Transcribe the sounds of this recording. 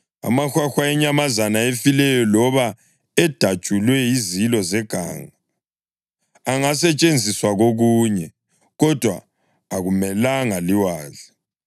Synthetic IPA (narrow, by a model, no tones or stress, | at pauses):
a̰maxwaxwaɛɲamazanaefilɛjɔlɔβa | ɛd̥ʱad̥ʒ̥ʱulwɛizilɔzɛɡ̥ʱa̰ːŋa | ŋasɛt͡ʃʼend͡zʱiswaɣoɣuːɲɛ | ɣɔd̥ʱwa̰ː | ɣumɛlaŋaliwaːɮa